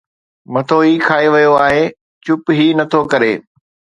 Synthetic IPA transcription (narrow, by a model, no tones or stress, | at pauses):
mɐt̪ʰoɦiːkʰaːeʋɐjoaːɦeː | t͡ɕʊpɦiːnɐt̪ʰokɐɾeː